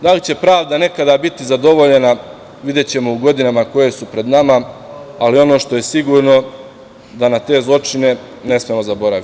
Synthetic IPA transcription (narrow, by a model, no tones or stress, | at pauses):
d̪alit͡ɕe̞pɾaːʋd̪ane̞kad̪abit̪izad̪o̞ʋo̞ʎe̞na | ʋid̪je̞t͡ɕe̞mo̞uɡo̞d̪inamako̞je̞supɾe̞d̪nama | alio̞no̞ːʃt̪o̞je̞siɡuːɾno̞ | d̪anat̪e̞ːzlˠo̞t͡ʃine̞ | ne̞smemo̞zabo̞ɾaʋi